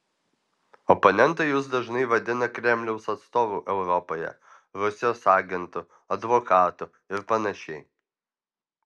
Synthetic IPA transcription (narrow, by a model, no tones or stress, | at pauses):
ɔpɔnʲɛnt̪ɐɪjʊs̬d̪ɐʒnɐɪʋɐd̪ʲɪnɐkɾʲɛmʲlʲɛʊsɐt̪st̪oːʋuːʔɛʊɾɔpoːjɛ̰ | ɾʊsʲɪjoːsɑːɡʲɛnt̪ʊ | ɐd̪ʋokɑːt̪ʊ | ɪɾpɐnɐʃʲɛɪ